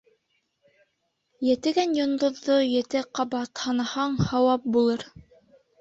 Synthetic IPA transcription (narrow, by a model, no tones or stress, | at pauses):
jɘ̆t̪ɘ̆ɡænjŏnd̪ŏðːojɘ̆t̪ɘqɑbɑt̪hɑnɑhɑɴhɑwɑp̚bulˠɤɾ